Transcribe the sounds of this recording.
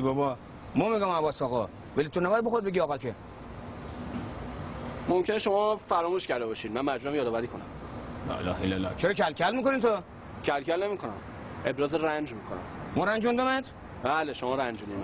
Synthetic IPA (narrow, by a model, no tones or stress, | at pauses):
ibɒbɒ | mɒmiɡɔmæβɒːsɒːɣɒ | vælit̪ʰonæbɔjæd̪bexoɾid̪̚beiɒːɣɒkʰe | momcʰeneʃo̞mɒːfæɾɔːmuʃcæɾd̪ebɒːʃiːd̪̚mænmæd͡ʒmuæmjɒːd̪ɒːvæɾiːkʰonæm | lɒ̰ːʔḛlɒ̰ːhelːælːɒ̰ːt͡ʃʰeɾɒcʰælkʰælmiːkonit̪ʰo | cʰælkʰælne̞miːkʰonæ̰m | e̞bɾɒːzeɾænd͡ʒmiːkʰonæ̰mmɔɾænd͡ʒund̪omed̪ | b̥æːleʃomɒːɾænd͡ʒunin